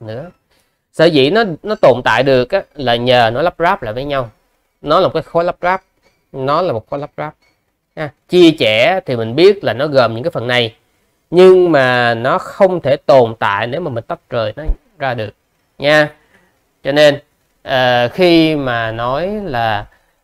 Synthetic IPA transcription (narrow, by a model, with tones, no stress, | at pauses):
nɨ̰˧˥ə | sə̰ː˧˩zḭ˧˨nɔ˨˦nɔ˨˦t̪o˨˩nt̪a̰ː˧˨jɗɨ˨˩ək̚ʔaː˨˦laː˨˩ɲəː˨˩nɔ˨˦jlə˦˥p̚zaː˦˥p̚la̰ː˧˨jvəː˨˦jɲa˧w | nɔ˨˦laː˨˩o˨˩kːjxo˨˦jla˦˥p̚zaː˦˥p̚ | nɔ˨˦laː˨˩mo˨˩t̚xo˨˦la˦˥p̚zaː˦˥p̚ | ɲaː˧t͡ɕi˧ət͡ɕɛ˧˩˦t̪ʰi˨˩mï˨˩ŋ̟ɓi˦˥ət̚laː˨˩nɔ˨˦ɣəː˨˩mɲɨ̰˧˥ŋkaː˦fə˨˩nːa˨˩j | ɲɨ˧ŋmaː˨˩nɔ˨˦xə˧wŋ͡mt̪ʰe˧˩t̪o˨˩nt̪a̰ː˧˨jne˨˦wmaː˨˩mï˨˩ŋ̟t̪ə˦˥p̚t͡ɕəː˨˩jnɔ˨˦ | zaː˧ɗɨ˨˩ək̚ | ɲaː˧ | t͡ɕɔ˧ne˧n | ʔəː˨˩xi˧maː˨˩nɔ˨˦jlaː˨˩